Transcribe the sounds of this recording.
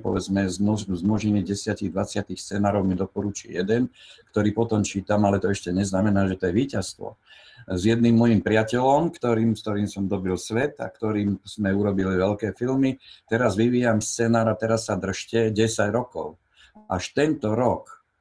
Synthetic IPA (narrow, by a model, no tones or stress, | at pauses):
pɔ̰ʋɛd͡zmɛzmɔzmɔʒɛɲiɟɛsɪaciɣd̪ʋat͡sɪat̪ixst͡sɛnaːɾɔʊmid̪ɔpɔɾut͡ʃʊɛ̰jɛd̪ɛnkt̪ɔɾiːpɔt̪ɔmt͡ʃiːt̪amalɛt̪ɔɛʃcɛɲɛznamɛnaːʒɛt̪ɔjɛʋiːcast̪ʋɔ̰ | zjɛd̪̚nimːɔjimpɾɪacɛlɔmkt̪ɔɾiːmst̪ɔɾiːmsɔmd̪ɔbilsʋɛt̪a̰kt̪ɔɾiːmz̥mɛuɾɔbiliʋɛlkɛːfilmit̪ɛɾazʋiʋiːjamst͡sɛːnaːɾat̪ɛɾasːad̪r̩ʃcɛɟɛsaɟɾɔkɔ̰ʊ | ʔaʃt̪ɛnt̪ɔɾɔk